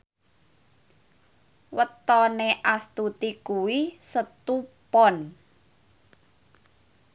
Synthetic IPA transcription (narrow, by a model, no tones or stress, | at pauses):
wət̪ɔneʔast̪ut̪ikuwisət̪upɔn